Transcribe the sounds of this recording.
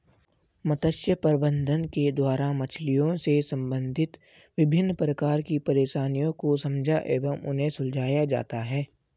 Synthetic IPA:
mɐt̪əʃjəpəɾbə̃nd̪ʱənked̪waːɾamɐt͡ʃʰlijõsesɐ̃mbə̃nd̪ʱɪt̪ | ʋɪbʱɪnːpɾəkaːɾkipɐɾeːʃaːnijõkosɐ̃md͡ʒʱaʔeːʋəmʊ̰nɦẽsʊld͡ʒʱaːjad͡ʒa̰ːt̪aɦɛː

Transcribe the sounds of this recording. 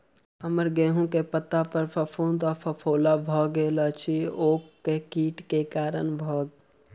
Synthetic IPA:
ɦəməɾɡeːɦũkepət̪ːapəɾpʰəpʰoːnt̪ɔpʰəpʰoːlabʱɔːɡelət͡ʃʰioːkkːekiːʈkekaːɾənbʱɔːɡ

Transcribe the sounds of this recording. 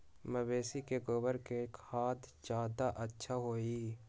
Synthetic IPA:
məbeːsikeɡobəɾkekhaːd̪d͡ʒjaːd̪aʔətːʃʰaɦoːiː

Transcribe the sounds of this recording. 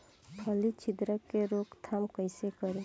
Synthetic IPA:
pʰəlit͡ʃʰɪd̪ɾəkːeɾoːkt̪ʰamkəɪsekəɾe

